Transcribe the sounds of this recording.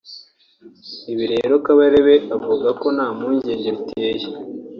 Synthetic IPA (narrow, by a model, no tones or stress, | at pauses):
iβiɾe̞ːɾo̞kaβaɾeβeavuɡako̞naːmuːɲɟeːɲɟeβitʰeje